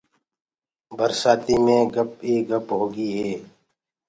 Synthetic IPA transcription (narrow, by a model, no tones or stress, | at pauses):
bəɾsaːt̪iːmẽːɡəp̚iːɡəpɦoːɡiːɦeː